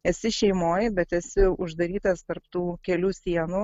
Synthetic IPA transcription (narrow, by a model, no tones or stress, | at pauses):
ɛsʲɪʃʲɛɪmoːjbʲɛt̪ɛsʲɪʊʒd̪ɐɾʲiːt̪ɐst̪ɐɾpt̪uːkʲɛlʲuːsʲiɛnuː